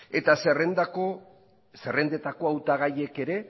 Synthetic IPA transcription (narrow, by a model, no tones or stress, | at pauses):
et̪aserend̪ako | se̞re̞nd̪e̞t̪ako̞awt̪aɣ̞aje̞ke̞ɾe̞